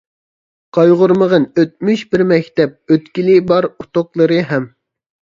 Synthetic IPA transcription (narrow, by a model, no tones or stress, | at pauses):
qʰɑjʁʊɾməʁənøt̪̚myʃbɪɾmɛkʲt̪ɛp̚øt̪kʲilibɑɾut̪oqlˠəɾɨɦɛm